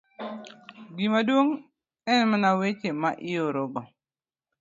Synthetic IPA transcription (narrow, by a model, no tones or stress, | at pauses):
ɡimadwoŋ | ɛnmanawet͡ʃemaʔɪoɾoɡɔ